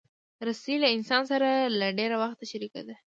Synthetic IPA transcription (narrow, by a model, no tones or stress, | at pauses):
ɾasilaɪnsɑnsaɾalaɖeɾawaxt̪aʃaɾika̰d̪a